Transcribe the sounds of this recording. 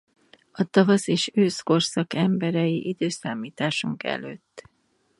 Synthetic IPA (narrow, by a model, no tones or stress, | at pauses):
ɒt̪ɒvɒseːʃøːsko̞rsɒkɛmbɛɾɛjiʔid̪øːsaːmiːt̪aːʃuŋkɛ̰lø̰ːt̪ː